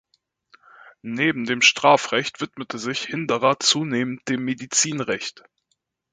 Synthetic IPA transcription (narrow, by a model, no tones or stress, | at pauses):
neːbm̩deːmʃtʁ̥aːfʁɛçtv̥ɪtmətʰəzɪçhɪndəʁɐt͡suːneːmənd̥eːmːedit͡siːnʁɛçt